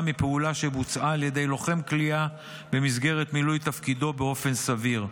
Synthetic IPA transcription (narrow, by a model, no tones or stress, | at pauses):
mipeulaʃe̞but͡sʔaːlje̞d̪e̞jlo̞χe̞mklia | be̞mizɡe̞ʁe̞t̪milujt̪afkid̪o̞beo̞fe̞nsaviʁ